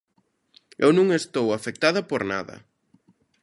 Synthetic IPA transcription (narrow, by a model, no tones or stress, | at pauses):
ewnũŋest̪owafek̚t̪aðɐpoɾna̰ðɐ̰